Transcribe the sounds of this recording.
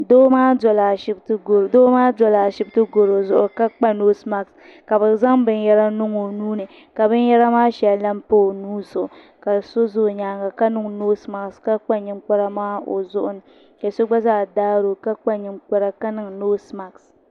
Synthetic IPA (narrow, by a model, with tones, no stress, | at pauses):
doː˦maː˦dɔ˨la˨ʃɪ˦btɨ˦ɡo˨ɾdoː˦maː˦dɔ˨la˨ʃɪ˦btɨ˦ɡo˨ɾo˨zʊ˦ʔʊ˨ka˦k͡pa˦noː˦sma˨ks | ka˨bɨ˨za˦ŋbɨ˦n˦jɛ˦ɾa˦nʊ˦ŋo˨nuː˦nɨ˨ | ka˨bɨ˦n˦jɛ˦ɾa˦maː˦ʃɛ˨lla˦mpo˦˨nuː˦sʊ˨ʔ | ka˨so˦zo˦˨ɲaː˨ŋɡa˨ka˦nɨ˦ŋ˨no˦sma˨kska˦k͡pa˦ɲɪ˦ŋka˦ɾa˦maː˦o̰˨zʊ˦ʔʊ˨nɨ˨ | ka˨so˦ɡ͡ba˦zaː˨daː˦ɾo˨ka˦k͡pa˦ɲɪ˨ŋk͡pa˦ɾa˦ka˦nɨ˨ŋ˨noː˦sma˨ks